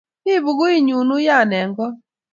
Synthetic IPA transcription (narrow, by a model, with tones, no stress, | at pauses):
ɪ˦βu˨ɡʊ˦i˦ɲu˨nu˦ja˦˨nɛ˨ŋɡɔ˦